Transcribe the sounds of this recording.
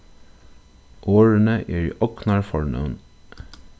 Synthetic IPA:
ʔoːɹənəʔeːɹḭːʔɔknɑɹfɔɹɳə̰ʋn

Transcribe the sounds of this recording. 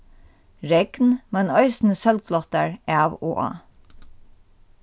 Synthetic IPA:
ɹɛɡ̥nmɛnœʏsnəsœlɡ̚lɔt̪aɹʔæːwo̰ːʔɑ̰ː

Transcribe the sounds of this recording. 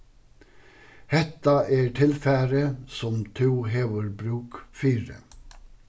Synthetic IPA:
hɛt̪ɑʔeːʈʰɪlfæːɾəsɔmt̪ʰuːheːʋəɹbɾʉːkfiːɾə̰

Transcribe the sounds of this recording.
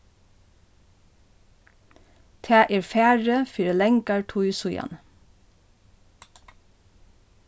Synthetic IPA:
t̪ʰæːʔeːɹfæːɹəfyːɾəlɛŋkɑɹʈʰuʏsʊjɑ̰n

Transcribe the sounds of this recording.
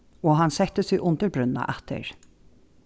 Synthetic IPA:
ɔɦansɛht̪ːəsɪʔʊnt̪əɾbɾʉnːa̰ʔaht̪ʰə̰ɾ

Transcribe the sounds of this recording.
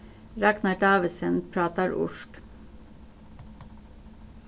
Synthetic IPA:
ɾɑknɑʈɑːʋəsənpʰɾɑːt̪ɑɾʊ̰ʃʈ

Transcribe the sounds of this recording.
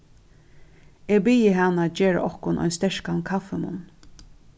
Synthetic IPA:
eːɡbiːjəɦanːad͡ʒeːɹa̰ʔɔhkʊnʔɔ̰jnst̪ɛʃkankʰafɛmʊ̰n

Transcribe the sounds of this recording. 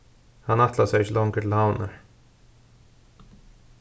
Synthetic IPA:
hanat̪lasɛɣɪçɪlɔŋkəɾtʰɪlhawna̰ɹ

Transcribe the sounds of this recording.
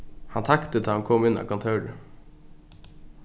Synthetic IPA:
hɑnt̪ʰɑkt̪ət̪ʰɑːɑŋkʰɔmɪnɑ̰ːkʰɑnt̪ʰɑʉɾə

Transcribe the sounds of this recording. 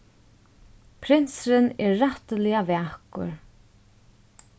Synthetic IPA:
pʰɾɪnsɾɪnɛɾːaht̪lɪavɛːhkʊ̰ɹ

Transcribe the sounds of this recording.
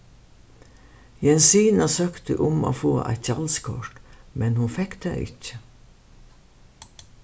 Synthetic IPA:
jɛnsiːnasœkt̪əʔʊmo̰ːfo̰ːʔæ̰ɪt̪çɑlskʰɔʂʈmɛnhʊnfɛkt̪æʔɪ̰çə̥

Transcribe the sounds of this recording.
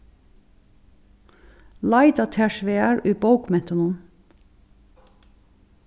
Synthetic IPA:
lɑɪd̪ɑt̪ʰæʃʋeːæːɹʉːboʊkmɛt̪ɑnuːn

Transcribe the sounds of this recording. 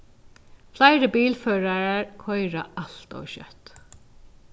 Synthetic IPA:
flæɪɾəbiːlføːɹaɹəɹkʰɔʏɹa̰ʔɑlt̪o̰ːʃœ̰t̪

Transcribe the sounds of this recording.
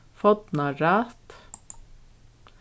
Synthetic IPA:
fɔd̪nɑɾɑːt̪

